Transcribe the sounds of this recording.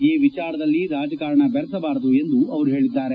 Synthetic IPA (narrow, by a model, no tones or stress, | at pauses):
iːʋit͡ʃaːɾɐd̪ɐlːiɾaːd͡ʒɐkaːɾɐɳɐbɛɾɐsɐbaːɾɐd̪ue̞nd̪uɐʋɐɾuɦe̞ːɭid̪ːaːɾe